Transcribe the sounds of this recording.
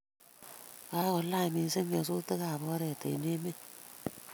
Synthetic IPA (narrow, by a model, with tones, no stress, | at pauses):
a˨˦o˨la˦˨mi˨˦si˦ŋɡe˨su˦tə˦ɣa˨bɔ˦ɾe˨tḛ˨ne˦me˦